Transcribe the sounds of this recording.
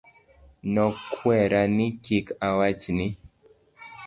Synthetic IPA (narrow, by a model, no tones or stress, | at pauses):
nɔkʰwɛɾanikikawat͡ʃni